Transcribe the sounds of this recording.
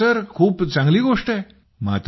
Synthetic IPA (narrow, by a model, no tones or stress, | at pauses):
əɾkʰuːpt͡sãŋɡliːɡoʂʈe | ma̰t̪